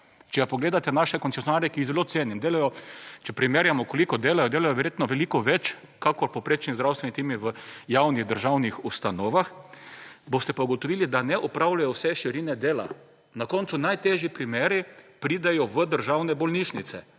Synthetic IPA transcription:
t͡ʃɛɡapɔɡleːd̪at̪ɛnaʃɛkɔnt̪sesjonaːɾjɛkiːɣzɛloːtseːnimd̪eːlajɔt͡ʃɛpɾimeːɾjamɔkɔlikɔd̪eːlajɔd̪eːlajɔʋɛɾjeːt̪nɔʋɛlikɔʋɛt͡ʃ | kakɔɾpopɾeːt͡ʃnizd̪ɾawst̪ʋenit̪eːmiʋəjawniɣd̪əɾʒawnixust̪anɔːʋax | boːst̪ɛpauɡɔt̪ɔʋilid̪anɛʔɔpɾawlajɔwsɛʃiɾinɛd̪eːla̰ | nakɔnt̪sunajt̪eːʒjipɾimeːɾipɾid̪ajɔʋəd̪əɾʒawnɛbɔlniʃnit̪sɛ

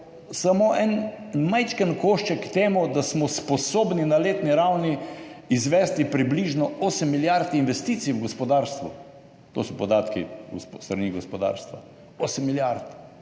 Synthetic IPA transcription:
samoʔɛnmajt͡ʃkənkoːʃt͡ʃɛkt̪eːmud̪asmɔspɔsoːbninaleːt̪niɾawniizʋɛːst̪ipɾibliʒnɔosəmːiljaɾt̪inʋɛst̪it̪siwɡɔspɔd̪aːɾst̪ʋṵ | t̪o̰sɔpɔd̪aːt̪kḭst̪ɾɐniɡospɔd̪a̰ːɾst̪ʋa | oːsəmːiljaɾt̪

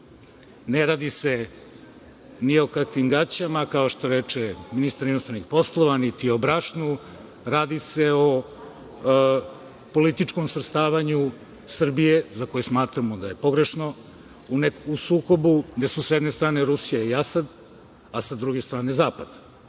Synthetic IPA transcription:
neɾaːd̪ise | nio̞kakʋimɡat͡ɕamakao̞ʃt̪o̞ɾeːt͡ʃeminist̪aɾinost̪ɾanixpo̞slˠoʋanit̪iobɾaʃnu | ɾaːd̪iseo | po̞lit̪it͡ʃko̞msɾet̪st̪aːʋaɲu | sr̩bijezako̞jusmaːt̪ɾamod̪aje̞po̞ɡɾe̞ʃno̞ | unekusuːko̞buɡd̪esusjɛd̪nest̪ɾaːneɾusijaiasad̪ | asad̪ɾuɡest̪ɾaːne̞zaːpad̪̥

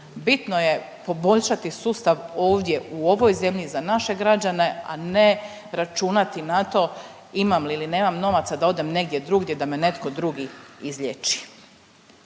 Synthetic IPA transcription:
bit̪no̞je̞ | po̞bo̞ʎʃat̪isuːst̪aʋoːʋd̪je̞ʔuo̞ʋojze̞mʎizanaʃe̞ɡɾad͡ʑane̞a̰ne̞ | ɾat͡ʃunat̪inat̪o̞ | imamlilineːmamno̞ʋat̪sad̪ao̞d̪e̞mne̞ɡ̚d̪je̞d̪ɾuːɡd̪jed̪ame̞ne̞t̪ko̞d̪ɾuːɡiizʎʲet͡ʃi̥

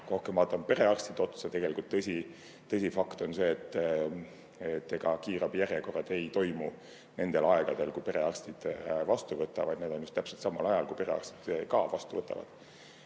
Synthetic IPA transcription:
ko̞hkemɑt̪ːˑonpe̞ɾe̞ɑrsʲt̪id̪o̞t̪u̥sɑt̪e̞ɡ̥e̞likult̪ːɤsʲi | t̪ːɤsʲifɑkt̪o̞nse̞ːet̪ːˑ | et̪ːe̞ɡ̥ɑkiːɾɑbjærjekorːɑd̪̥e̞jt̪o̞jmu | ne̞nd̪̥e̞lɑe̞ɡ̥ɑd̪̥e̞lkujpe̞ɾe̞ɑrst̪id̪̥vɑst̪uvɤt̪ːˑɑvɑjd̪ned̪̥o̞njust̪æpse̞lt̪sɑmːɑlɑjɑlkuipe̞ɾe̞̰ɑ̰rst̪i̥d̪̥kɑvɑst̪uvɤt̪ːˑɑ̰vɑ̰d̪̥

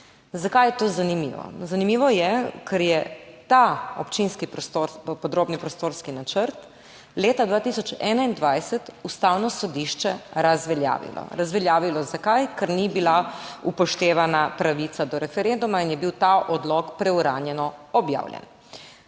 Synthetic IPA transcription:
zakajɛt̪oːzanimḭːʋɔ̰zanimiːʋɔjɛkʰɛɾjɛt̪aɔpt͡ʃinskipɾst̪oɾpɔd̪ɾoːbnipɾɔst̪oːɾskinat͡ʃəɾt̪ | leːt̪ad̪ʋaːt̪isɔt͡ʃɛːnaind̪ʋajsɛt̪ust̪awnɔsɔd̪iʃt͡ʃɛɾazʋɛlja̰ːʋḭlɔ̰ɾazʋɛljaːʋilɔzakajkɛɾnibilaupɔʃt̪eːʋanapɾaʋit̪sad̪ɔɾɛfɛɾend̪umainjɛbiwt̪aʔɔd̪lɔkpɾɛuɾaːnjɛnɔɔbja̰ːwljɛ̰n

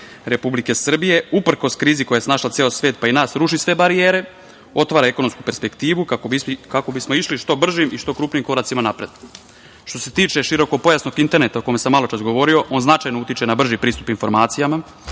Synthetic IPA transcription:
ɾe̞publike̞sr̩bije̞upr̩ko̞skɾiːzikojajesnaʃlat̪seosʋeːt̪̚painaːsɾuʃisʋe̞baɾieːɾe̞ | o̞t̪ʋaːɾaeko̞no̞mskupe̞ɾspe̞kt̪iːʋukaokako̞bismo̞iʃliʃt̪o̞br̩ʒimʔiʃt̪o̞kɾuːpnimko̞ɾat̪simanapɾed̪ | ʃt̪o̞se̞t̪iːt͡ʃe̞ʃiɾo̞ko̞po̞jasno̞ɡint̪e̞ɾne̞t̪aoko̞mesamːalot͡ʃasɡo̞ʋo̞ɾio̞ʔo̞ːnznat͡ʃajnout̪it͡ʃe̞nabr̩ʒipɾiːst̪u̥pinfo̞ɾmaːt̪sijama

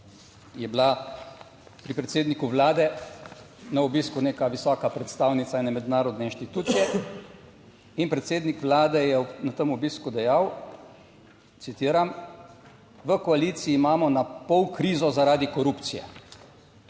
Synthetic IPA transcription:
jɛbla | pɾipɾɛt̪seːd̪nikuʋlaːd̪ɛ | naɔbiːskuneːkaʋisɔːkapɾɛt̪st̪awnit̪sainɛmɛd̪naːɾɔd̪nɛinʃt̪it̪uːt̪sijɛ | inpɾɛt̪seːd̪nikʋlaːd̪ɛjɛnat̪əmɔbiːskud̪ɛjaw | t̪sit̪iːɾam | ʋəkɔaliːt̪siːmaːmɔnapɔwkɾiːzɔzaɾaːd̪ikɔɾupt̪sijɛ̰

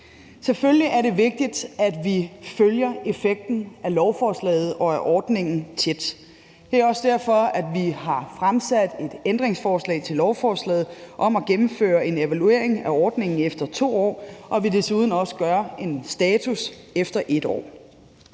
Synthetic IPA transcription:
selfølliʔæɐɾe̝ʋe̝ɡ̥̚d̥id̥æd̥ʋiføljɐe̝feɡ̥̚d̥n̩ælɒʊfɒːslɛ̰ːð̞̩ˠɒ̽æʔɒːd̥ne̝ŋn̩t͡sʰe̝d̥ | d̥e̝æɒ̽sd̥æɐ̰fɒ̽æd̥ʋiɦɑ̈fʁamsæd̥e̝d̥end̥ʁeŋsfɒːslɛ̰ːɪt͡sʰe̝lɒʊfɒːslɛ̰ːð̩ˠʔɒ̽mæɡ̥emm̩fø̰ːɐe̝ne̝ʋælue̝̰ɐ̰e̝ŋæɒːd̥ne̝ŋn̩efd̥ɐt͡sʰo̝̰ːɒ̰ːʔɒ̽ʋide̝suːð̞ˠn̩ɒ̽sə̥ɡ̥ɶɐe̝nsd̥ɛːt͡sʰus | efd̥ɐʔe̝d̥ɒ̰ː

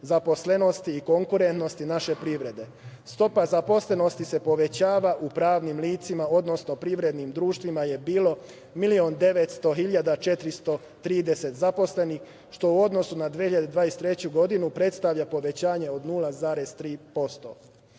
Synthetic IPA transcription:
zapo̞sle̞no̞st̪iːko̞ŋkuɾe̞nt̪no̞st̪inaʃe̞pɾiʋɾe̞d̪e̞ | st̪o̞pazapo̞sle̞no̞st̪ise̞po̞ʋe̞t͡ɕaːʋaʔupɾaːʋnimliːt̪simao̞d̪no̞sno̞pɾiʋɾe̞d̪nimd̪ɾuːʃt̪ʋimaje̞biːlo̞ | milio̞nd̪e̞ʋe̞t̪st̪o̞xiʎad̪at͡ʃe̞t̪ɾist̪o̞ | t̪ɾiːd̪e̞se̞t̪zapo̞sle̞nix | ʃt̪o̞uo̞d̪no̞sunad̪ʋiehiʎad̪ed̪ʋaːjest̪ɾet͡ɕuɡo̞d̪inupɾe̞t̪st̪aʋʎapo̞ʋe̞t͡ɕaːɲe̞o̞d̪nulˠazaːɾe̞z̥t̪ɾiːpo̞st̪o̞̰

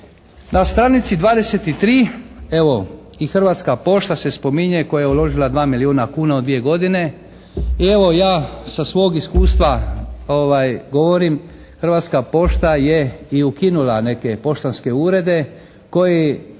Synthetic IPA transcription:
nast̪ɾaːnit̪sid̪ʋaːd̪e̞set̪it̪ɾiːe̞ʋo̞ | ixr̩ʋaːt̪skapo̞ʃt̪ase̞spo̞miɲeko̞jajeulo̞ʒilad̪ʋaːmiliuːnakuːnaod̪ʋije̞ɡo̞d̪ine̞ | ie̞ʋo̞jaːsasʋo̞oɡiskuːst̪ʋaoʋajɡo̞ʋo̞ɾim | xr̩ʋaːt̪skapo̞ʃt̪aje̞iukinulane̞ke̞po̞ʃt̪anske̞uːɾe̞d̪e̞ | ko̞je

